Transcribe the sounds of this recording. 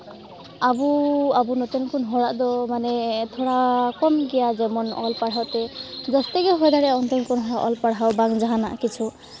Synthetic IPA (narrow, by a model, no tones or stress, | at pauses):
abuabunɔt̪ɔnkɔnɦɔɹaʔd̪ɔmanɛt̪ʰɔɽakɔmɡɛjazɛmɔnɔlpaɽɦawt̪ɛzɔst̪ɛɡɛɦɔjd̪aɾɛɔnt̪ɔŋkɔnɦɔɹaʔɔlpaɽawbaŋzaɦanaʔkit͡ʃʰu